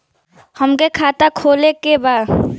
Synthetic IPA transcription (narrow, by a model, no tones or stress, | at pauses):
həmkekʰaːt̪akʰoːlekebaːd̪